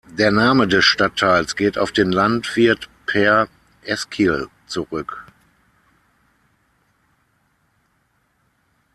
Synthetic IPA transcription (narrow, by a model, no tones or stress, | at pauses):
deːɐnaːmədɛsʃtatʰːaɪlsɡ̥eːta̰ʊfd̥eːnlantv̥ɪɐtpʰɛɐ | ʔɛskʰil | t͡suʁʏk